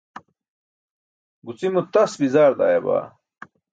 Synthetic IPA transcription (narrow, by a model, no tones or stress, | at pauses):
ɡut͡simut̪ɐsbizaːɾd̪a̰ːjɐba̰ː